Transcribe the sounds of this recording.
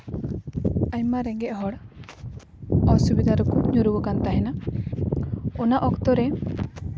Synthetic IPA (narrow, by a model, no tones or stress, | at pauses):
aɲmaɾɛɡɛʔɦɔɽ | ɔsubid̪ʱaɾɔkuɲuɾubɔkant̪aɦɛna | ɔnaʔɔkt̪ɔɾɛ